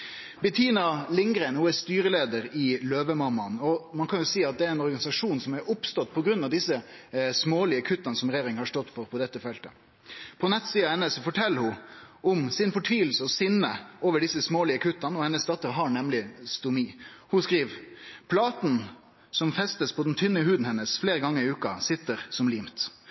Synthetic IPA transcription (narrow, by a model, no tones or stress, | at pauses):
bɛt̪ʰiːnɑlɪŋɡɾɛɪnhʊæɾst̪yːɾəleːd̪əɾɪløːʋəmɑmːɑnɔmɑnkʰɑnjʊsiːɑt̪̚d̪ɛæɾɛnɔɾɡɑnɪsɑʂuːnsɔmæɾʊpst̪ɔt̪ːpʰɔɡɾʉnːɑʋd̪ɪsːəsmoːlɪəkʰʉt̪ːɑnəsɔmɾeːɾɪŋhɑʂtɔt̪ːfɔɾpʰɔd̪ɛt̪ːəfɛlt̪ə | pʰɔnɛt̪ːsiːɑɛnəsɔfɔʈʰɛlːəɾhʊ | ɔmsɪnfɔʈʰʋiːʋl̩səɔsɪnːəʔoːʋəɖɪsːəsmoːlɪəkʰʉt̪ːɑnəɔhɛnːəsd̪ɑt̪ːəɾɦɑɳɛmlɪst̪ʊmiːhʊskɾiːʋpʰlɑːt̪n̩ | sɔmfɛst̪əspʰɔd̪ɛnt̪ʰʏnːəhʉːd̪n̩hɛnːəsfleːɾəɡɑŋːəɾɪʉːkɑsɪt̪ːəɾsɔmliːmt̪